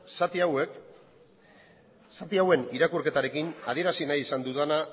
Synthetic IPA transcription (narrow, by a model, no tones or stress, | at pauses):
at̪awek | sat̪iawe̞niɾakurke̞t̪aɾe̞kina̰ð̞ie̞ɾasinajisand̪uðana